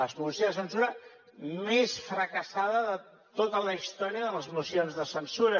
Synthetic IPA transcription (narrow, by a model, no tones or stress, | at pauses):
əsmusizðəsənsuɾə | mesfɾəkəsaðəðə | t̪ot̪ələist̪ɔɾiəðələzmusjonzðəsənsuɾə